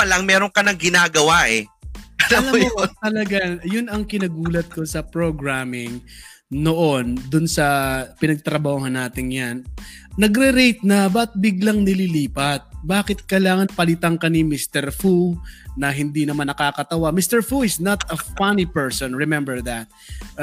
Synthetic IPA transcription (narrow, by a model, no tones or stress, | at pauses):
pɐlaŋmɛːɾoŋkɐnɐŋɡɪnaːɡɐwaʔɛɐlɐlɐmot̪ɐlɐɡajʊnɐŋkɪnɐɡuːlɐt̪̚ko̞sɐpɹoɡɹaːmɪŋ | noʔond̪ʊnsɐpɪnɐɡ̚t̪ɾɐbaːoɦɐnːaːt̪ɪŋjan | nɐɡɾɛɾejt̪̚nɐbɐt̪̚bɪɡlɐŋnɪliliːpɐt̪̚baːkɪt̪̚kɐjlaːŋɐnpɐlɪt̪aŋkɐnimist̪ɛɹfunɐɦɪnd̪inɐmanːɐkaːkɐt̪ɐwamist̪ɛɹfuɪsnɐt̪ɐfanipɛɹsonɹɪmɛmbɛɹðɐt̪̚